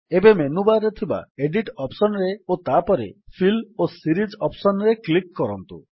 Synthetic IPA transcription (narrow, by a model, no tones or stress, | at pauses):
ebemenubaɾet̪ʰiba̰eɖiʈɔpsɔnɔɾeot̪apɔɾḛpʰilosiɾid͡ʒɔpsɔnɾeklikːɔɾɔnt̪ṵ